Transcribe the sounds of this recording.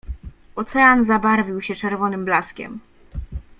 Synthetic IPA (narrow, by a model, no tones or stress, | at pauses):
ɔt̪sɛanzabaɾvʲiwɕɛt͡ʂɛɾvɔnɘmblaskʲɛ̰m